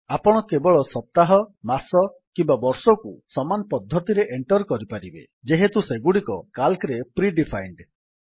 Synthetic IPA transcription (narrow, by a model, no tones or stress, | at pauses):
apɔɽ̃ɔkebɔɭɔsɔp̚t̪aɦɔmasɔkimbabɔɾsɔkusɔmanɔpɔd̪ʱːɔt̪iɾeʔeɳʈɔɾkɔɾipaɾibḛ | d͡ʒeɦet̪useɡuɽikɔkalkɾepɾiɖipʰajɳɖ